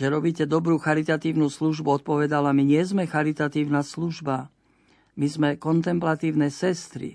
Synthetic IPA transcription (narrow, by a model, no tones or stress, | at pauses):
ʒɛɾɔbiːcɛd̪ɔbɾuːxaɾit̪at̪iːʊnusluʒbuɔt̪̚pɔʋɛd̪alamiɲɪɛzmɛxaɾit̪at̪iːʊnasluʒba | mizmɛkɔnt̪ɛmplat̪iːʊnɛsɛst̪ɾḭ